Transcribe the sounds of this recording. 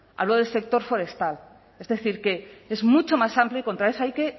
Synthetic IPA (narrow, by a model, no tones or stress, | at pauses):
a̰βloðelse̞k̚t̪o̞ɾfo̞ɾe̞st̪al | e̞zðe̞θiɾke̞ezmut͡ʃo̞masamplioiko̞nt̪ɾaesajke̞